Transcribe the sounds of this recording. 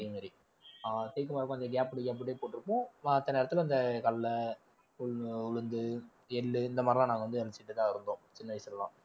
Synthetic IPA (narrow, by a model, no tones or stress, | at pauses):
jmeːɾi | t̪ɛjkːɯmaːɾɯkːõɐnd̪ɐɡaːpɽɯɡaːp̬ːɽeːpoːʈːɪɾɯpːõːɐt̪ːɐneːɾɐt̪ːɪlɐnd̪ɐkɐlːɐ | ʊʊɻɯnd̪ɯ | ɛɭːɯɪnd̪ɐmaːdɾlãnaːŋɡɐʋɐnd̪ɯɛlɪt͡ʃːɪʈːɯt̪ːãːɪɾɯnd̪õːt͡ʃɪnːɐʋɐɪsɪlɛlã̰ː